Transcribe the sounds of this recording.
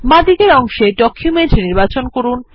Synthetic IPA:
mad̪iɡeɾɔŋʃeɖɔkʰjumenʈniɾbat͡ɕonkoɾun

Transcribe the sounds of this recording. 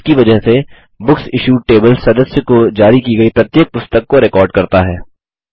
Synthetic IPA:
kiʋɐd͡ʒəɦse | bʊksɪʃuːʈeːbəlsɐd̪əsjəkod͡ʒaːɾikiɡɐipɾɐt̪jeːk̚pʊst̪əkːoɾɪkɔːɾɖ̚kɐɾt̪aɦɛː

